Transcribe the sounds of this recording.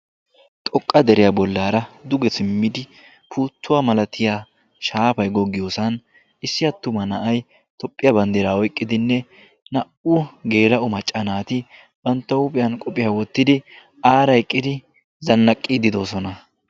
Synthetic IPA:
t̪ʼɔkʼːɐd̪ɛɾɪjabɔlːaːɾɐd̪ʊɡɛsɪmːɪd̪ɪ | pʰuːt̪ʰːʊwamɐlɐt̪ʰɪja | ʃaːpɐjɡɔɡɪjoːsɐn | ɪsːɪjɐt̪ːʊmɐnɐʔɐj | t̪ɔpʼːɪjɐbɐnd̪eɾaːɔjkʼːɪd̪ɪnːɛ | nɐʔuɡe̞ːlɐʔʊmɐt͡ʃʼːɐnaːt̪ɪ | bɐnt̪ːɐʊpʼɪjɐnkʼɔpʼɪjɐwɔt̪ːɪd̪ɪ | aːɾɐjkʼːɪd̪ɪ | zɐnːɐkʼːid̪ɪd̪o̞ːsɔnɐ

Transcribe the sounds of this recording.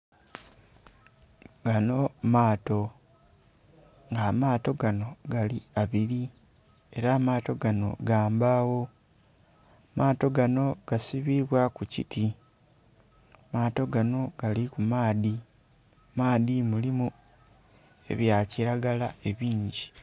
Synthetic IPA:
ɡano̞maːto̞ | ŋɡaːmaːto̞ɡano̞ɡaliaβiɾi | e̞ɾaːmaːto̞ɡano̞̰ɡaːmbawo̞ | maːto̞ɡano̞ɡ̥asiβiβwakucḭtʰi | maːto̞ɡano̞ɡ̥alikumaːði | maːðimulimu | e̞̰βjaciɾaɡalae̞βiːɲɟi

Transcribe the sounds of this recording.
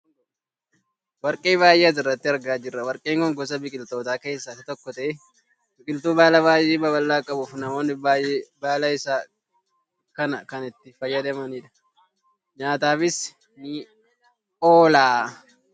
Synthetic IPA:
wɐɾkʼe̞ːβaːjʔeɐs̬ɪrːɐt̪ːɪɐɾɡaːd͡ʒɪrːɐwɐɾkʼeːŋkɔŋɡɔs̬ɐbɪkʼɪlt̪o̞ːt̪aːke̞ːsːɐt̪ɪt̪ɔkːɔt̪ɐe | bɪkʼɪlt̪uːbaːlɐβaːjʔeːbɐbɐlːaːkʼɐbʊufnɐmo̞ːnːɪbaːjeːbaːlɐɪsaː | kɐnɐkɐnɪt̪ːɪfɐjːɐd̪ɐmɐniːᶑɐ̥ | ɲaːt̪aːfɪs | nɪ | oːlaː

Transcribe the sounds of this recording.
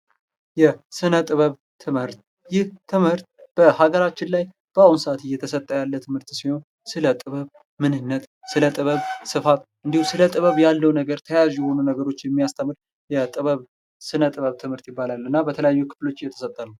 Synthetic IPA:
jɛsɨnət̪ʼɨβəβ | t̪ʰɨmhɨɾt̪ | jɪht̪ʰːɨmhɨɾt̪̚b̥əhaɡəɾat͡ʃːɪnlaj | b̥əawunsat̪ɨjːɛt̪ʰəsət̪ʼːəjalːət̪ʰɨmhɨɾt̪siho̞n | sɨlət̪ʼɨβəβ | mɨnɨnːət̪sɨlət̪ʼɨβəβsɨfat̪ʔɨnd̪ihusɨlət̪ʼɨβəβjalːəwnəɡəɾt̪ʰəjazjɛho̞nunəɡəɾo̞t͡ʃːjɛmːijast̪ʰəmɨɾ | jɛt̪ʼɨβəβ | sɨnət̪ʼɨβəβt̪ʰɨmhɨɾt̪jɪbːalalɨnːabət̪ʰələjajːukʰɨ̥flo̞t͡ʃːɨjːɛt̪ʰə̥sət̪ʼːənuw

